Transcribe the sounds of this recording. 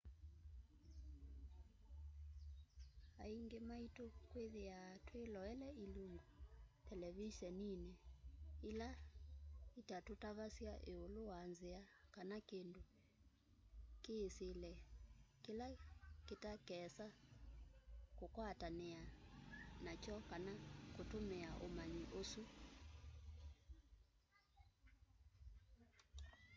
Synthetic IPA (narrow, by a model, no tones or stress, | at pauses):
aiŋɡemaitokweðiatʰwelɔɛlɛiluŋɡotʰɛlɛviʃɛninɛila | itatutaβasiaʔeolowanziakanakendu | keːselɛkelaketakɛsa | kokwatanea | nat͡ʃɔkanakotomeaʔomaɲiʔosu